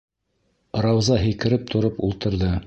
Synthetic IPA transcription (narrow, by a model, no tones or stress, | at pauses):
ɾɑwzɑɦɘ̆jkɘ̆ɾɘp̚t̪ʰŏɾopulˠt̪ɤ̆ɾðɤ